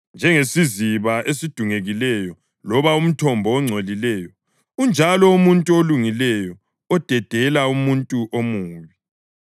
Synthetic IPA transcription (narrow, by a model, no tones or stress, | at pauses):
nd͡ʒʱɛŋesiziβaʔesid̥ʱuŋeɣilɛjɔ | lɔβaum̩tʰɔmbʱɔːŋ͡ǀʱolilɛjɔ | und͡ʒʱalɔumuntʼuoluŋilɛjɔ | ɔd̥ʱɛd̥ʱɛlaumuntʼuʔomuːβi